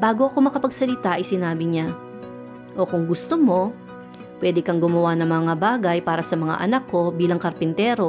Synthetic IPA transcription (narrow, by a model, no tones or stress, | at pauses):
baːɡo̞ʔɐko̞mɐkɐpɐɡsɐlɪt̪aʔɐjsɪnaːbɪɲa | ʔo̞kʊŋɡʊst̪omo̞ | pwɛːd̪ɪkɐŋɡʊmɐwanɐŋmɐŋabaːɡɐjpaːɾɐsɐmɐŋa̰ʔɐ̰nɐkːo̞biːlɐŋkɐɾpɪnt̪ɛːɾo̞